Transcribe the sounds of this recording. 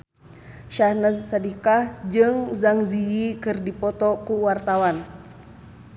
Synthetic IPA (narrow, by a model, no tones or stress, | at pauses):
ʃahnəsadikahd͡ʒɨŋzaŋzijikɨrdipɔt̪ɔkuwart̪awan